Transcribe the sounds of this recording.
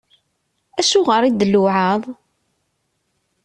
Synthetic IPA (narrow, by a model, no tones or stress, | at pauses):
æʃʊʁəɾˤid̪əlːʊʕɑðˤ